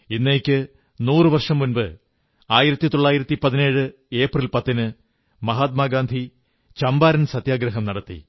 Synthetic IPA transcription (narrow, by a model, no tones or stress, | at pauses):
inːeːkʲːɨ | nuːrɨʋɐrʂɐmːunbɨ | aːjiɾɐt̪ːit̪o̞ɭːaːjiɾɐt̪ːipɐðine̞ːɻɨ | e̞ːprilpɐt̪ːinɨ | mɐɦaːt̪̚maːɡaːnd̪ʱi | t͡ɕɐmbaːɾɐnsɐt̪jaːɡɾɐɦɐmnɐɽɐt̪ːḭ